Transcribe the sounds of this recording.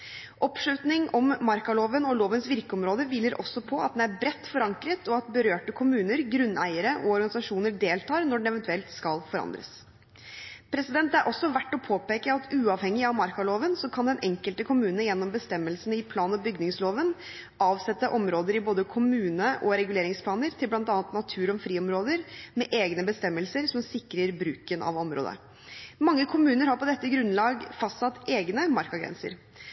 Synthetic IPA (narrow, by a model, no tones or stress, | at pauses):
ʔɔpʂɭʉːt̪nɪŋʔɔmːɑɾkɑloːʋənɔloːʋənsʋɪɾkəɔmɾoːd̪əʋiːləɾʔɔ̰sːɔpʰɔɑ̰t̪̚d̪ɛnæɾbɾɛt̪ːfɔɾɑŋkɾət̪ɔɑt̪̚bəɾøːʈəkʰʊmʉːnəɾɡɾʉnːæɪəɾəʔɔɔɾɡɑnɪsɑʂuːnəɾɖ̪eːlt̪ʰɑːɾnɔɖɛn̩ɛʋɛnt̪ʉɛlt̪skɑlfɔɾɑ̰nd̪ɾə̰s | pʰɾɛsɪd̪ɛnt̪æɾʔɔsːɔʋæʈːɔpʰoːpeːkəɑt̪ʉːɑːʋhɛŋːɪɑʋmɑɾkɑloːʋənsɔkʰɑnd̪ɛnɛŋkəlt̪əkʰʊmʉːnənjɛnːɔmbəst̪ɛmːəlsənɪpʰlɑːnɔbʏɡnɪŋsloːʋən | ʔɑːʋsɛt̪ːəʔɔmɾoːd̪əɾɪboːd̪əkʰʊmʉːnəʔɔɾɛɡʉleːɾɪŋspʰlɑːnəɾt̪ʰɪlblɑnt̪ɑːnət̪nɑt̪ʰʉːɾɔmfɾiːɔmɾoːd̪əɾmɛʔeːɡnəbəst̪ɛmːəlsəɾsɔmsɪkɾəɾbɾʉːkənʔɑ̰ʋɔmɾo̰ːd̪ə̰ | mɑŋːəkʰʊmʉːnəɾhɑɾpɔd̪ɛt̪ːəɡɾʉnlɑːɡfɑst̪sɑt̪ːeːɡnəmɑɾkɑɡɾɛ̰nsə̰ɾ